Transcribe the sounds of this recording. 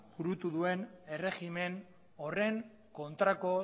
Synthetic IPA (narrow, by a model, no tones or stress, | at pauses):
buɾut̪uðue̞ne̞re̞ɣime̞n | o̞re̞ŋ | ko̞nt̪ɾako̞